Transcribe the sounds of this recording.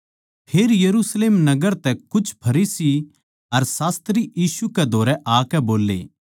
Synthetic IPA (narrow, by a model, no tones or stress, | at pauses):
pʰeːɾjɐɾusleːmnɐɡəɾt̪ɛkʊt͡ʃʰpʰɐɾiːsi | ɐɾsaːst̪ɾijiːsukɛd̪ʱoːɾɛʔaːkɛboːlːḛː